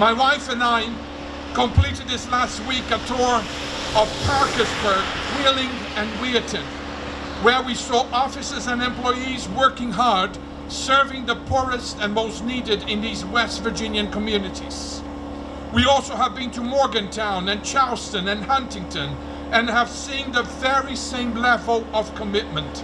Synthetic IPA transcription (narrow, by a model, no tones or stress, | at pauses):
maɪwaɪfɨ̃nãɪ̃n | kə̃mpʰl̥iɾɨd̪̚ðɪslæst̚wikɨtʰɔɹ | ʌv̥pʰɑɹkɨzbə˞ɡ̚ɡwilˠɪ̃ŋ | ɨ̃nwiɨtɨ̃n | wə˞wisɔʔɔfɨsɨzɨ̃nɛ̃mpl̥ɔɪizwɜ˞kɪ̃ŋɦɑɹd | sɜ˞vɪ̃ŋðəpʰuɹɨstɨ̃nmoʊstniɾɨɾɪ̃nðizwɛstv̥ə˞d͡ʒɪ̃njɨ̃nkʰəmjʉnɨɾiz̥ | wiɔlˠsoʊəvbɨ̃ntʰɨmɔɹɡɨ̃ntʰãʊ̃nɨ̃nt͡ʃʰalˠstɨ̃nɨ̃nhʌ̃ntɪ̃ŋtʰɨ̃n | ɨ̃nəv̥sĩnðəvɛɹisẽɪ̃mlɛvl̩ˠʌv̥kʰəmɪt̚mɨ̃nt